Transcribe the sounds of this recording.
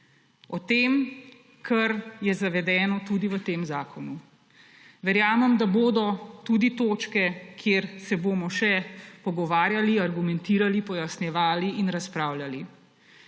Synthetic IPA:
ɔt̪eːm | kʰɐɾjɛzaʋɛd̪ɛːnɔt̪ud̪iʋət̪eːmzaːkɔnu | ʋɛɾjaːməmd̪aboːd̪ɔt̪uːd̪it̪oːt͡ʃkɛkʰjeːɾsɛboːmɔʃɛpɔɡɔʋaːɾjaliaɾɡumɛnt̪iːɾalipɔjasnjɛʋaːliinɾaspɾaːwljali

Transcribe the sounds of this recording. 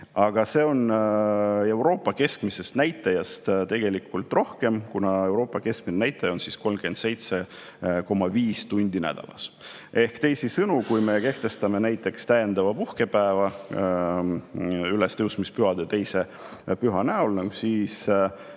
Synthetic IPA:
ɑɡ̥ɑse̞ːo̞n | e̞wɾo̞ːpːˑɑke̞skmise̞st̪næjt̪ːˑɑjɑst̪t̪e̞ɡ̥e̞likʰːˑult̪ˑro̞hke̞mkunɑe̞wɾo̞ːpːˑɑke̞skminenæjt̪ːˑɑjɑo̞nsisko̞lmke̞nd̪̥se̞jt̪se̞ | ko̞mɑviːst̪unʲd̪̥inæ̰d̪̥ɑ̰lɑ̰s | e̞hkt̪e̞jsisɤnukujme̞ke̞ht̪e̞st̪ɑme̞næjt̪ːˑe̞kst̪æjend̪̥ɑvɑpuhke̞pæevɑ | ylest̪ewsmispyɦɑd̪̥et̪e̞jse̞ | pyɦɑnæulnɑɡsiːs

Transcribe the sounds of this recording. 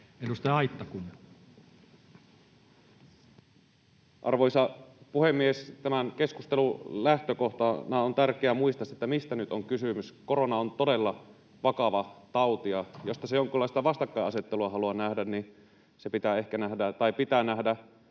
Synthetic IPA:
edust̪ɑjɑit̪ːɑkun | ʔɑ̰rʋojsɑpuhe̞mːiest̪æmænke̞skust̪elulæht̪øko̞ht̪ɑnɑont̪ærkeæmuist̪ɑset̪ːæmist̪ænyt̪oŋkysymyskoɾo̞nɑont̪ode̞lːɑ | ʋɑkɑʋɑt̪ɑwt̪iɑjo̞st̪ɑsejoŋkylːɑˑist̪ɑʋɑst̪ɑkːɑjɑse̞t̪ːeluɑɦɑluɑnæhdænni | sepit̪æːe̞hkænæhdæt̪ɑjpit̪æːnæɦdæ

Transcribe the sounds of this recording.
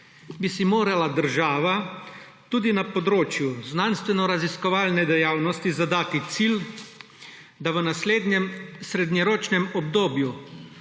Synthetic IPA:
bisimoːɾalad̪əɾʒaːʋa | t̪uːd̪inapɔd̪ɾoːt͡ʃjuznanst̪ʋɛnɔɾaziskɔʋaːlnɛd̪ɛjaːwnɔst̪izad̪aːt̪it̪sil | d̪aʋənasled̪ɲɛmsɾɛd̪ɲɛɾoːt͡ʃnɛmɔbd̪oːbju

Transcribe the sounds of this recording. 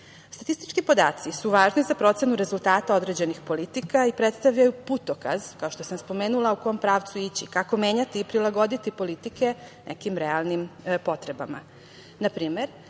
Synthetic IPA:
st̪at̪ist̪i̥t͡ʃkipo̞d̪a̰ːt̪sisuʋaːʒnizapɾo̞t̪se̞nuɾe̞zult̪aːt̪ao̞d̪ɾed͡ʑe̞nixpo̞lit̪ikaipɾet̪st̪aʋʎajuput̪o̞ka̰zkaoʃt̪o̞samspo̞me̞ːnulaukompɾaːʋt̪suit͡ɕḭkako̞me̞ːɲat̪iːpɾilˠaɡo̞d̪it̪ipo̞lit̪ike̞nʔḛkimɾealˠnimpo̞t̪ɾe̞ba̰ma̰ | napɾiːme̞ɾ

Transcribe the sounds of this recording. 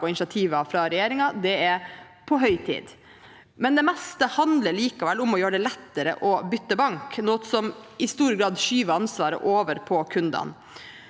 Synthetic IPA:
ɔɪnsɑt̪ʰiːʋɑfɾɑɾɛjeːɾɪŋɑd̪ɛɛɾ | pʰɔɦœʏt̪ʰḭːd̪ | mɛnd̪ɛmɛst̪əhɑnd̪ləɭiːkɑʋɛlːʊmɔjøːɾɖɛlɛt̪ːəɾə̰ʔɔbʏt̪ːəbɑŋknɔt̪sɔmɪst̪uːɾəɡɾɑːd̪ʃyːʋəɑnsʋɑːɾə̰ʔoːʋəɾpʰɔkʰʉnd̪ɑ̰n

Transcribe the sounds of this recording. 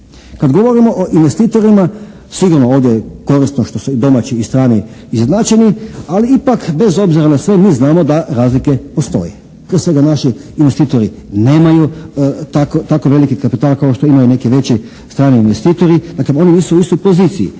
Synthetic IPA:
kad̪ɡo̞ʋo̞ɾimo̞ʔoʔinʋe̞st̪iːt̪o̞ɾima | siɡuɾnooːʋd̪jeko̞ɾist̪noʃt̪o̞suid̪o̞mat͡ɕiːst̪ɾaːni | iznat͡ɕenialiipakbe̞zo̞bziɾanasʋe̞miːznaːmo̞d̪aɾaːzlike̞po̞st̪o̞̰je | pɾiesʋe̞ɡanaʃiːnʋe̞st̪iːt̪o̞ɾi | ne̞ːmajut̪akot̪akoʋe̞likikapit̪aːlˠkaoʃt̪o̞imajune̞kiʋe̞t͡ɕi | st̪ɾaːniinʋe̞st̪iːt̪o̞ɾid̪̥akleo̞niniːsuuist̪o̞jpo̞ziːt̪sijḭ

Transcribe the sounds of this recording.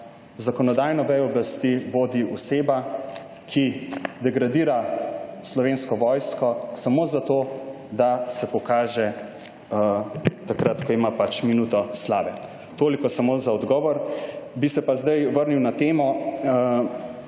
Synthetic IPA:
zakɔnɔd̪aːjnɔʋɛjɔblast̪iʋoːd̪iɔseːba | kʰid̪ɛɡɾad̪iːɾaslɔʋeːnskɔʋɔːjskɔsamoːzat̪oː | d̪asɛpɔkaːʒɛ | t̪akɾat̪kɔimapat͡ʃminuːt̪ɔslaːʋɛ | t̪oːlikɔsamozaɔd̪ɡɔːʋɔɾbisɛpazd̪ajʋəɾniwnat̪eːmɔ

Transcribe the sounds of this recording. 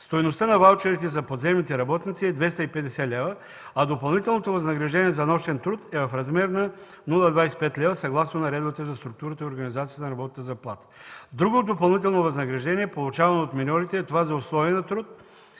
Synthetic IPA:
st̪ojnost̪ənɐvalˠt͡ʃɛɾit̪ɛzɐpod̪zɛmnit̪ɛɾɐbɔt̪nit̪siɛd̪vɛst̪əipɛd̪ɛsɛlʲɛvə | ɐd̪opɐlˠnit̪ɛlˠnot̪ovɐznɐɡɾɐʒd̪ɛniɛzɐnɔʃt̪ɛnt̪ɾut̪ɛvɐfɾɐzmɛɾnɐ | nulˠɐd̪vaɛspɛt̪lʲɛvəsɐɡlˠasnonɐɾɛd̪ovət̪əzɐst̪ɾuk̚t̪uɾət̪əioɾɡɐnizat̪siət̪ənɐɾɐbɔt̪it̪əzɐplˠat̪ə̥d̪ɾuɡod̪opɐlˠnit̪̬ɛlˠnovɐznɐɡɾɐʒd̪ɛniɛpolˠut͡ʃavɐnoot̪minɔɾit̪ɛt̪ovazɐʊslˠɔviɛnɐt̪ɾut̪̚

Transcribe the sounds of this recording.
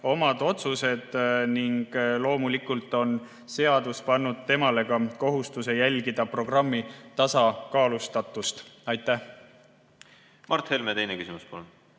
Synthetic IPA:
o̞mɑd̪̥o̞t̪suse̞d̪̥niŋɡ̥lo̞ːmulikult̪ːˑo̞n | se̞ɑd̪̥uspɑnːud̪̥̚t̪e̞mɑle̞ɡ̥ɑko̞ɦust̪use̞jælʲɡid̪̥ɑpro̞ɡ̥rɑmːit̪ɑsɑkɑːlust̪ɑt̪ːˑust̪ɑjt̪ːˑæh | mɑrt̪he̞lmet̪e̞jnekysimuspolon

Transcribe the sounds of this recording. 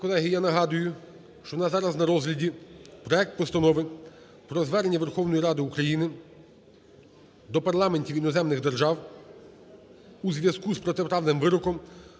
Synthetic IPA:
kɔlˠɛɦɪjanɐɦɑd̪ʊjʊ | ʃt͡ʃɔɔnɑzɑɾɐznɐɾɔzɦlʲɐdʲipɾɔɛk̚t̪̚pɔst̪ɐnɔʋɪn | pɾɔzʋɛɾenʲːɐʋerxɔwnɔjiɾɑd̪ɪukɾɐjinɪ | d̪ɔpɐrlˠɑmenʲtʲiʋinɔzɛmnɪɣd̪erʒɑw | uzʋʲjɐskuspɾɔt̪epɾɑwnɪmʋɪɾɔkɔm

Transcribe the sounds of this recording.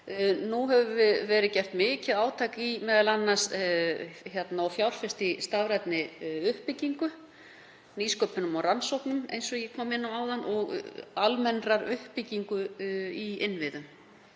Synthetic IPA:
nuɦɛvʏvɪvɛːɾɪcɛr̥t̪mɪːcɪðaːwt̪ʰajkimɛːðalanːas | çjɛt̪naawfjawɾ̥fɪst̪ɪst̪avɾɛt̪nɪʏhpɪciŋkʏ | niskœpʏnʏmɔransowhknʏmḛjnsɔɣjɛkʰɔːmɪnːaaːwðanʔɔɣalmɛnraɾʏhpɪciŋkʏiɪnvɪðʏm

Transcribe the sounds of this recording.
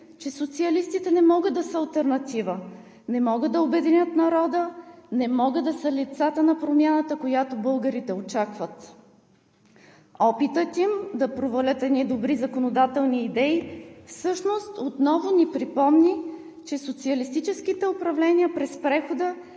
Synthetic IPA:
t͡ʃɛsot̪siɐlist̪it̪ɛnɛmɔɡəd̪ɐsəɐlˠt̪ɛɾnɐt̪ivə | nɛmɔɡəd̪ɐobɛd̪inʲət̪nɐɾɔd̪ənɛmɔɡɤd̪d̪ɐsəlit̪sat̪ənɐpɾomʲjanət̪əkojat̪obɤlˠɡəɾit̪ɛot͡ʃakvət̪ | ɔpit̪ət̪imd̪ɐpɾovɐlʲət̪ɛd̪nid̪obɾizɐkonod̪at̪ɛlˠniːd̪ɛifsɤʃnost̪ot̪nɔvʊnipɾipɔmni | t͡ʃɛsot̪siɐlist̪it͡ʃɛskit̪ɛʊpɾɐvlɛnʲiəpɾɛspɾɛxod̪ə

